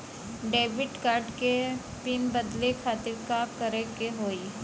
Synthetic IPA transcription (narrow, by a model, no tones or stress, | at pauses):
ɖeːbɪʈkaːɾɖke | pinbəd̪lekʰaːt̪ɪɾkakəɾekeɦoːi